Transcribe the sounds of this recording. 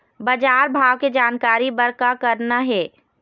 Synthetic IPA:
bɐd͡ʒaːɾbʱaːʋked͡ʒaːnkaːɾibɐɾkakɐɾnaɦɛː

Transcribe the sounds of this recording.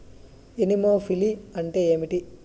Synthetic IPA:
enimoːfʰiliɐɳʈe̞ːeːmiʈi

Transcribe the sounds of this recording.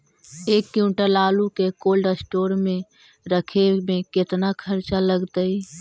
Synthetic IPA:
eːkːiuʈəlaːlukekoːlɖəsʈoːɾmẽ | ɾəkʰemẽkɪt̪nakʰəɾt͡ʃaləɡt̪əi

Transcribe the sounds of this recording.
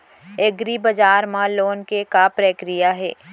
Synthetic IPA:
eɡɾibɐd͡ʒaːɾmãloːnkekapɾeːkɾijaɦɛ̰ː

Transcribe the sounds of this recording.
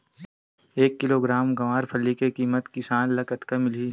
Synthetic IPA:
eːkːɪloɡɾaːmɡɐʋaːɾpʰɐlːikekiːmət̪kɪsaːnlɐkət̪kɐmɪli

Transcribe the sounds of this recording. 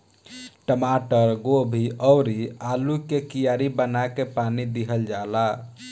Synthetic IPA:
ʈəmaʈəɾɡobʱiʔəwɾialukekijaɾibənaekepanid̪iɦəld͡ʒala

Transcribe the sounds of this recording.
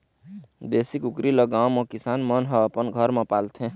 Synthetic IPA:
d̪esikukɾiləɡãwmʌ̃kisanmʌnɦʌːpənɡʱʌɾmʌ̃palt̪ʰẽ

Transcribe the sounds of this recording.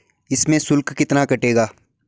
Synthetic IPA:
ɪsmẽsʊlkkɪt̪nakɐʈeːɡaː

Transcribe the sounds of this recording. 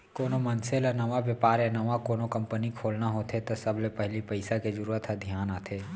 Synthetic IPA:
koːnomɐnselənɐʋaʋjəpaːɾjanɐʋakoːnokɐ̃mpənikʰoːlnaɦot̪ʰet̪osɐblepɛɦlipɐɪsaked͡ʒʊɾuːɾət̪ɦad̪ʱjaːnaːt̪ʰeː

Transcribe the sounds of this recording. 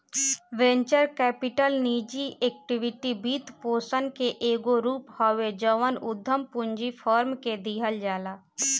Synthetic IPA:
ʋẽːɲt͡ʃəɾkɛːpɪʈəlniːd͡ʒieːk̚ʈɪʋɪʈibʱiːt̪poːsənkeʔeːɡoɾuːphɔːʋed͡ʒəʋənʊd̪ʱːəmpʊ̃ɲd͡ʒipʰɔːɾmked̪iːɦəld͡ʒaːlaː

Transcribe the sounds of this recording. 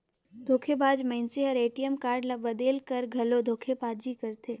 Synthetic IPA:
d̪ʱoːkʰebaːd͡ʒmɛ̃ːnseɦəɾeːʈijəmkaːɾɖlɐbɐd̪eːlkɐɾɡʱɐlod̪ʱoːkʰepaːd͡ʒikɐɾt̪ʰeː

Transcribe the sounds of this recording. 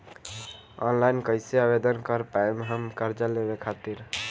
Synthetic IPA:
ɔ̰nlajnkəɪseabed̪ənkəɾpaemeɦəmkəɾd͡ʒəlebekʰat̪iɾ

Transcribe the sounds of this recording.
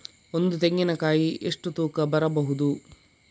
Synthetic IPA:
ond̪ut̪eŋɡinɐkaːjiʔeʂʈut̪uːkɐbɐɾɐbɐɦud̪u

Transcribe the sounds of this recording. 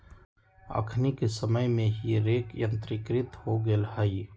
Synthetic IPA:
ə̰kʰnikesəməjmẽɦiɾeːkjə̃nt̪ɾɪkɾɪt̪hoɡəlhai

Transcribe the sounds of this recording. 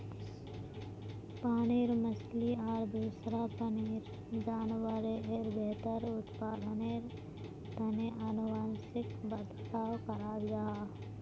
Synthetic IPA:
paːniːɾməsliɔːɾd̪uːsɾapəniːɾ | d͡ʒaːnwəɾeʔeɾbeːt̪əɾʊt̪paːd̪ʱəneːɾ | t̪ɐneʔanʊwaːnsɪkbəd̪ʱt̪aːwkɐɾaːbɡaɦaː

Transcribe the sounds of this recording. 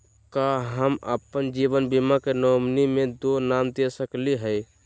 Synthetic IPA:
kaɦəmə̰pənd͡ʒiʋənbimakenɔmnimed̪onamd̪esəkliɦəj

